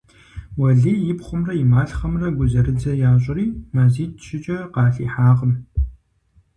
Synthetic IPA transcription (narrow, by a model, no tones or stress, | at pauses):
wɐɮiːjɪpχʷʊmrɐimaːɬχɐmrɐɡʷʊzɐɾɨd͡zɐjaːɕ̬ʷʼɪɾiːmɐziːtʃɪt͡ʃʼɐqɑːɬḭːħaːʁəm